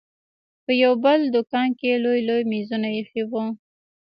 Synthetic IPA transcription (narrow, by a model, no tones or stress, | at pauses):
pəjawbəld̪ʊkɑnkelojlojmizunajexiwu